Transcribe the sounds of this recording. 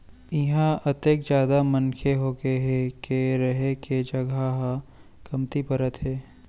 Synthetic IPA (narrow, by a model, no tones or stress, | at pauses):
ɪɦãʔɐt̪eːkd͡ʒjaːd̪amɐnkʰeɦoːɡeɦɛkeɾɐɦeked͡ʒɐɡʱaɦa | kɐmt̪ipɐɾət̪ɦɛː